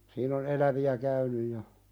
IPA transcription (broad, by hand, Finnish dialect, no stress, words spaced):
siːn on elæʋiæ kæynyj jɑ